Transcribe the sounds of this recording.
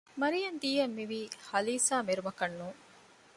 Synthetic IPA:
mɐɾijɐnd̪iːɐmːiʋiːhɐliːsaːmeɾumɐkɐnːuːŋ

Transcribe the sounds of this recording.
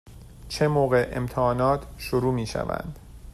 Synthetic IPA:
t͡ʃʰemoːɣe̞ʔemt̪ʰehɒːnɒːt̪ʰʃoɾuːmiːʃæ̰væ̰nd̪̥

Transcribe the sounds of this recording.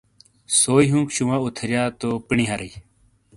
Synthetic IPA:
soːiɦũːkɕumãːut̪ʰəɾjaːt̪oːpəɳiɦaɾəj

